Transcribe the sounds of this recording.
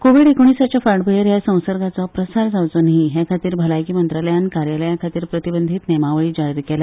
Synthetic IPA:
koʋiɽekoɳ̃isat͡ɕafaʈbʱəjəɾjasə̃w̃səɾɡat͡sɔpɾəsaɾd͡zawt͡sənɦiɦekʰat̪iːɾbʱəlajkiːmənt̪ɾaləjankaɾjaləjãkʰat̪iːɾpɾət̪ibənd̪ʱiːt̪nemaʋəɭiːd͡ʑaɽiɾkela

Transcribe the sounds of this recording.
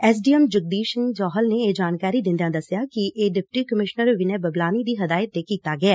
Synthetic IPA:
ɛːs̬ɖiːɛmd͡ʒəɡ̚d̪iːʃənd͡ʒɔːɦəlneːeːd͡ʒaːnkaːɾiːd̪ɪ̃nd̪jãːd̪əsɪjaːkɪʔeːɖɪpʈiːkəmɪʃnəɾʋɪnɛ̃ːbəblaːniːd̪iːɦəd̪aːjət̪ːeːkiːt̪aːɡɪɛː

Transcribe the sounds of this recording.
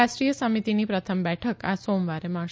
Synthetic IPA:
aʃʈɾijəsəmit̪inipɾət̪ʰəmbɛʈʰəkasomʋaɾema

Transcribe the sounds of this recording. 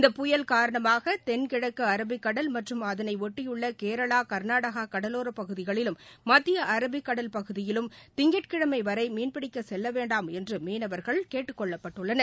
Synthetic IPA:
ɪnd̪ɐpːʊjɐlkaːɾɐɳɐmaːɣɐt̪ɛnkɪɽɐkːɯɐɾɐbɪkːɐɽɐlmɐʈrɯmɐðɐnɐɪɔʈːɪjɯɭːɐkeːɾɐɭaːkɐɾnaːɽɐɣaːkɐɽɐloːɾɐpɐɣɯðɪɣɐɭɪlɯmːɐt̪ːɪjɐʔɐɾɐbɪkːɐɽɐlpɐɣɯðɪjɪlɯmt̪ɪŋɡɛʈ̚kɪɽɐmɐɪʋɐɾɐɪmiːnpɪɽɪkːɐsɛlːɐʋeːɳɖaːmɛndrɯmeːnɐʋɐɾɣɐɭkeːʈːɯkːɔɭːɐpːɐʈːɯɭːɐnɐɾ

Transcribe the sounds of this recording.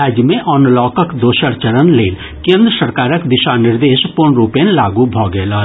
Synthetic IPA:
ɛːd͡ʒmẽʔɔːnlɔːkəkd̪oːʃəɾt͡ʃəɾənleːl | kẽːnd̪ɾəsəɾkaːɾəkd̪ɪʃanɪɾd̪eːʃpʊɾnɾuːpẽnlaːɡubʱɔːɡelaː

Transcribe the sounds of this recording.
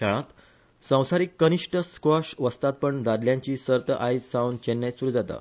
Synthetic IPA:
kʰɛɭ̃ãt̪ | sə̃w̃saɾikːəniʂʈəskʋɔʂʋəst̪at̪̚pəɳd̪ad̪ljãɲt͡ɕiːsəɾt̪əʔajsaunt͡ɕenːesuɾuːd͡zat̪a̰

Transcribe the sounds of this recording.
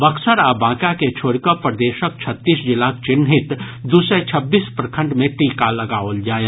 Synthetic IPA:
bɐkʰsəɾabãːkaket͡ʃʰoːɽkəpɾd̪eːʃək̚t͡ʃʰət̪ːiːsd͡ʒɪlak̚t͡ʃɪnɦɪt̪ | d̪usɛt͡ʃʰɐbːiːspɾkʰə̃ɳɖmẽʈiːkalɐɡaːold͡ʒaːe

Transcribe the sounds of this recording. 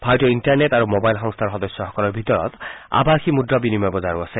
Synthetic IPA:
bʱajtɔinʈaɹnetaɹumobajlxɔŋst̪ʰaɹxɔd̪ɔsjɔxɔkɔlɔɹbʱit̪ɔɹɔ̰t̪a̰baxʰimudɾɔbinimɔjbɔzaɹuase

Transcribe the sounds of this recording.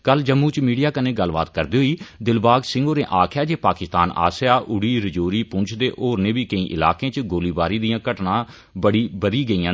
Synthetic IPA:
kəld͡ʒəmːũːt͡ʃmiːɖijaːkəneːɡəlba̰ːt̪kəɾd̪iːɦoiːd̪ɪlbaːɡsɪ̃ŋɡoːɾnẽːʔaːkʰjaːd͡ʒeːpaːkɪst̪a̰ːna̰ːsɪjaːʔʊɽiːɾəd͡ʒoːɾiːpʊ̃nt͡ʃʰd̪eːʔoːɾnẽːbiːkəĩːʔɪ̰la̰ːkẽːt͡ʃɡoːliːbaːɾiːd̪ijãːkəʈnãː | bəɽiːbəɾiːɡəiːãː

